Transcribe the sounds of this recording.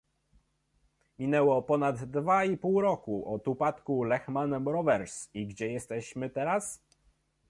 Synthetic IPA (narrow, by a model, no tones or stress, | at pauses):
mʲinɛwɔpɔnad̪ːvaipuwɾɔkuʔɔt̪upat̪kulɛxmanmɾɔvɛɾsiɡd͡ʑɛjɛst̪ɛɕmɘt̪ɛɾas